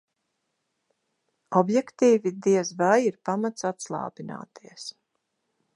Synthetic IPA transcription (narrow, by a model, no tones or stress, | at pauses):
ɔbjɛkt̪iːvid̪iɛzvajiɾpamat̪sat̪slˠa̰ːbina̰ːt̪ʰiɛs